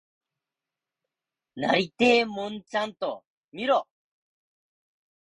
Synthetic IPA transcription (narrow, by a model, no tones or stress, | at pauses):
na̰ɾit̪emont͡ʃant̪ɔ̰ | miɾɔ